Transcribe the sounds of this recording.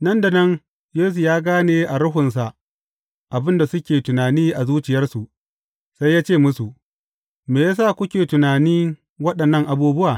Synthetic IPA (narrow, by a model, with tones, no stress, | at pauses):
nɐ˦nda˨nɐ˦ŋ | jeː˦su˨jaː˦ɡaː˦neː˨ʔa˨ɽʊ˦ɦʊ˨nsa˨ʔ | ʔa˨bɪ˦nda˨sʊ˦kʲeː˨tʊ˨naː˨niː˦ʔa˨zuː˦t͡ʃɪ˨jɐ˦rsu˨ʔ | sa˦jːaː˦t͡ʃeː˦˨mʊ˦su˨ʔ | meː˨jaː˦saː˦˨kʷʊ˦kʲeː˨tʊ˨naː˨niː˦ | wɐ˦ɗɐ˨nːɐ˦˨ŋʔa˨buː˦bʊ˦ʔaː˨